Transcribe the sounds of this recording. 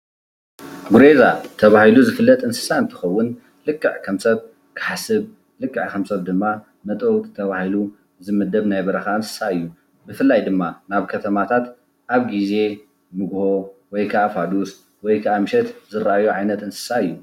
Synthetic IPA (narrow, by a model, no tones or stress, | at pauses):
ɡuɾe̞zat̪ʰɐβahiluzɨfɨlːɐt̪ʼɨnsɨ̥saɨnt̪ʰɨ̥xɐwːʊn | lɨkʼːɨʕkʰɐmsɐβ | kʰɨ̥ħasɨβ | lɨkʼːɨʕkʰɐmsɐβd̪ɨmːa | mɐt̪ʼowt̪ʼt̪ʰɐβahilu | zɨmɨd̪ɐβnajbɐɾɐxaɨnsɨ̥saɨjːu | bɨfɨlːajd̪ɨmːanaβkʰɐt̪ʰɐmat̪ʰat̪ | ʔaβɡize̞ | mɨɡho̞wɔjkʰɐʔafad̪us | wɔjkʰɐʔamɨʃɛt̪zɨɾaʔajoʕajnɐt̪ɨnsɨ̥saɨjːu